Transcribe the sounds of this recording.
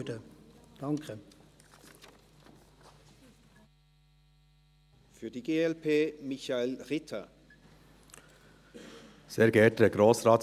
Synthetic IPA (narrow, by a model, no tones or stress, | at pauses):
dəd̥ɑŋkʰə | fyːɐdiːɡeːɛlpʰeːmɪçaelʁɪtʰɐ | seːɾɡɛtəɡɾoːsʁɑːt